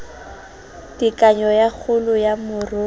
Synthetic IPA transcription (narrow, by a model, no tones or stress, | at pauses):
dikʼaɲɔjak͡xʰʊlʊjamʊrʊ